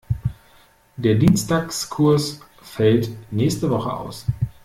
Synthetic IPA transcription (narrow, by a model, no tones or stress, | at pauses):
d̥eːɐdiːnstaːkskʰʊɐs | fɛltnɛːçstəvɔχəʔa̰ʊs